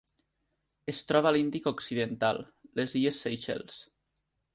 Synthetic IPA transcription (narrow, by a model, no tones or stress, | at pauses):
est̪ɾɔβalind̪ikoksiðent̪a̰lˠː | eziesːejʃḛls